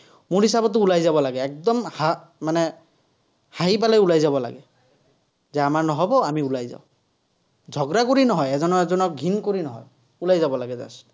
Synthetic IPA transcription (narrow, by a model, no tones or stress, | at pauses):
muɹɦisabɔt̪ːʊulajzabɔlaɡɛːk̚d̪ɔmha | manɛ | haɦip̬alajulajzabɔla̰ɡɛ | zɛamaɹnɔɦɔbɔamiulajza̰ʊ | d͡ʒʱɔɡɾakoɾinɔɦɔjɛzɔnɔɛzɔnɔk̚ɡʱinkoɾinɔɦɔ̰j | ulajzabɔlaɡɛza̰s